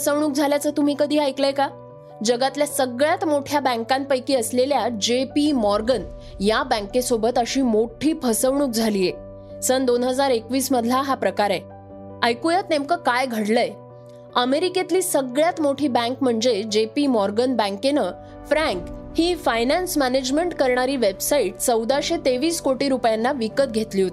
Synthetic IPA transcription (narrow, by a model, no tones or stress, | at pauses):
əsəʋɳ̃uːk̚d͡zʱaljat͡səːt̪um̤iːkəd̪ʱiːajkləjka | d͡ʑəɡat̪ljasəɡɭjat̪moʈʰjabə̃ŋkãmpəjkiːəsleljad͡ʑepimɔɾɡən | jabə̃ŋkesobət̪əɕiːmoʈʰiːpʰəsəʋɳ̃uːk̚d͡zʱaliːe | sənd̪onɦəd͡zaɾekʋiːsməd̪ʱlaɦapɾəkaɾe | əjkujət̪nemkəkajɡʱəɽləj | əmeɾiket̪liːsəɡɭjat̪moʈʰiːbæ̃ŋkm̤əɳd͡zed͡ʑepimɔɾɡənbə̃ŋkenəː | fɾæ̃ŋkhiːfajnæ̃nsmæned͡ʑmeɳʈkəɾɳaɾiːʋebsaiʈ̚t͡səwd̪aɕet̪eʋiːskoʈiːɾupjanːaʋikət̪̚ɡʱet̪liɦot̪i